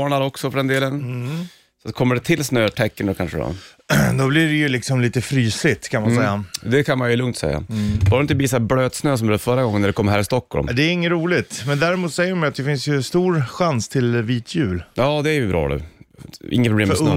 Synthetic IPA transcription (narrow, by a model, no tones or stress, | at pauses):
ɑːɳaɾɔksɔfœɖɛnd̪eːlən | sat̪kʰɔmːəɖɛt̪ʰɪlːsnøːt̪ʰɛkːənd̪ɔkʰanʂəɔ̰d̪ɔblɪɖɛjɵlɪksɔmliːt̪əfɾyːsɪt̪kʰanmansɛjːad̪ɛkʰanmanjɵlɵŋt̪sɛ̰jːa̰bɑːɾɪnt̪əbiːs̬abløːd̪snøːs̬ɔmɛːd̪əfœɾːaɡɔŋːənːæɖɛkʰɔmːɦæːɾɪst̪ɔkːɔ̰lmd̪ɛːɾɪŋːənɾuːlɪt̪mɛnd̪æːɾɪmuːt̪sɛjːəɾmajat̪̚d̪ɛfɪnsjɵst̪uːɾɧanst̪ʰɪlviːt̪ʰjʉ̟ːljɑːd̪ɛæɾjɵbɾɑ̰ːnʉ̰ːʔɪ̰ŋːət̪pɾʊbleːm